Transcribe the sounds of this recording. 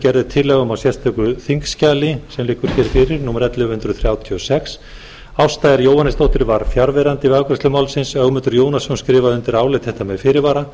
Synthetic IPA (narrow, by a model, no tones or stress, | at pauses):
cɛɾðɪt̪ʰɪlːɛɣʏmawsjɛst̪ʰœkʏθiŋkscaːlɪsɛmlɪːkʏɾ̥çɛːɾ̥fɪɾɪɾnuːmɛɾɛt̪lɪhʏnd̪ɾʏðθɾjaːwt̪ʰiɔsɛks | awst̪aːjɪɾjowhanːɪst̪owht̪ɪɾvaɾ̥fjaɾvɛɾant̪ɪvakɾʏst̪lʏmaːwlsɪnsœɣmʏnt̪ʏɾjoːwnasɔnskɾɪːvaðʏnt̪ɪɾaːwlɪt̪θɛht̪amɛðfɪɾɪɾvaːɾa